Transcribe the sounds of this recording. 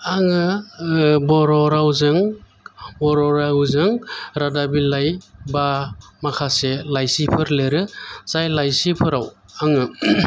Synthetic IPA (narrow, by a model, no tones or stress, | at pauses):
aŋɯ | bɔɾɔɾawzɯŋ | bɔɾɔɾawzɯŋɾadabilajbamakʰaselajsipʰɯɾleɾɯz̥ajlajsipʰɯɾaw | aŋɯ